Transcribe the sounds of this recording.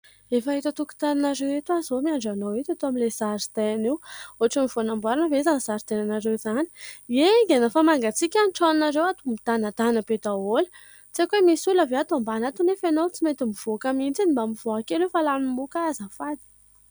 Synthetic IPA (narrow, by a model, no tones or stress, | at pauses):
efaɦit̪at̪uku̥t̪aninaɾewet̪uazomiaɳɖ͡ʐanowet̪at̪oamilez̥aɾit̪eanewoaʈ͡ʂamiv̥onambwaɾanəvezanz̥aɾit̪enanaɾewzani̥eŋɡenafamaŋɡat͡sikʲanʈ͡ʂaninaɾewat̪umit̪anat̪anəbed̪aolə̥ | t͡sekwemisuləveat̪uambanat̪unefanot͡simet̪imiv̥okamint͡sinimbamiv̥oakelefalanimukazəfad̪i̥